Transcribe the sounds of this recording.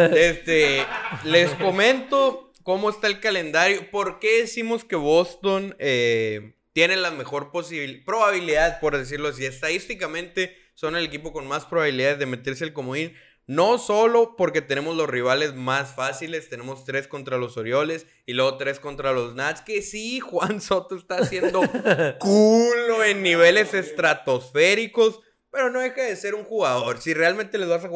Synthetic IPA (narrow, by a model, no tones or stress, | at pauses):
est̪ele̞sko̞mẽ̞nt̪o | ko̞mo̞est̪aelkale̞nd̪aɾjo̞po̞ɾke̞ðisimo̞ske̞βo̞st̪o̞ne | t̪je̞ne̞lame̞xo̞ɾposiβpɾo̞βaβ̞iliðaðpo̞ɾðes̬iɾlo̞as̬ie̞st̪aðist̪ikamẽ̞nt̪e̞ | so̞nele̞kipo̞ko̞nmaspɾoβaβiliðaððeme̞t̪e̞ɾselkomoin | no̞so̞lo̞po̞ɾke̞t̪e̞ne̞mo̞zlo̞sriβale̞zmasfasile̞st̪e̞ne̞mo̞st̪ɾe̞sko̞nt̪ɾalo̞so̞ɾjo̞le̞s | ilwe̞ɣot̪ɾe̞sko̞nt̪ɾalo̞znat̪ske̞sixwanso̞t̪oest̪aːsje̞nd̪o̞kulo̞e̞nːiβ̞e̞le̞se̞st̪ɾat̪o̞sfe̞ɾiko̞s | pe̞ɾo̞no̞ðe̞xaðe̞se̞ɾuŋxuɣaðo̞ɾsire̞alment̪ele̞zβas̬ax